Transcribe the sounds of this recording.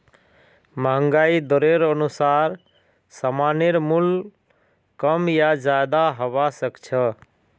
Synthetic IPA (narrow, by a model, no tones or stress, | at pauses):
maŋɡaid̪ɔɾeɾənusaɾ | səmaneɾmul | kəmjad͡ʒad̪aɦəβasəkt͡ʃʰə